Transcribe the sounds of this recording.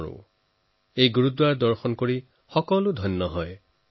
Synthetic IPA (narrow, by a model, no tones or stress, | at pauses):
ʊ̰̃ | ejɡuɹudwaɹdɔɹxɔnkoɹi | xɔkɔlʊdʱɔjnːɔɦɔj